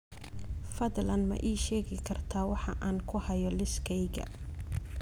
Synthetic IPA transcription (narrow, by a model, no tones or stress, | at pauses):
fɐðlɐnmɐ̰ʔiːʃɛːɣɪkʰɐrt̪ʰaːwɑħɑʔaːnkʰʊhɐjɔlɪskʰɛjɣɐ̰